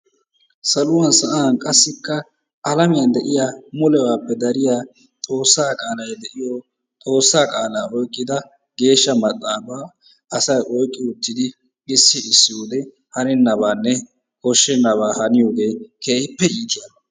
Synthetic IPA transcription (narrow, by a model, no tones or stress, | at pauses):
sɐlʊwɐnsɐʔaːnkʼɐsːɪkːɐ | ʔɐlɐmɪjɐnd̪ɛʔɪjamʊlɛwaːpːɛd̪ɐɾɪjaː | t̪ʼo̞ːsːaːkʼaːlɐjd̪ɛʔɪjɔ | t̪ʼo̞ːsːaːkʼaːlaɔjkʼːɪd̪ɐ | ɡe̞ːʃːɐmɐt̪ʼːaːba | ɐsɐjʔɔjkʼːɪʊt̪ːɪd̪ɪ | mɪsːɪɪsːɪud̪ɛ | hɐnɛnːɐbaːnːɛ | kɔʃːɛnːɐβaːhɐnɪjod̪ekʰeːhɪpːɛʔiːt̪ɪjɐnɐ